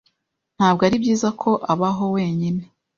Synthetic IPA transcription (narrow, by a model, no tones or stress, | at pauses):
n̥haːbɡoaɾibɟiːzakʰo̞ʔaβaɦo̞weːɲine̞